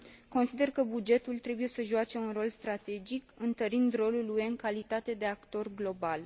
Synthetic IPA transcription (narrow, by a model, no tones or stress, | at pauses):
ko̞nsid̪e̞rkəbud͡ʒe̞t̪ult̪ɾe̞buje̞səʒuat͡ʃe̞unro̞lst̪ɾat̪e̞d͡ʒikɨnt̪əɾind̪ro̞luluje̞ɨŋkalit̪at̪e̞d̪e̞akt̪o̞rɡlo̞bal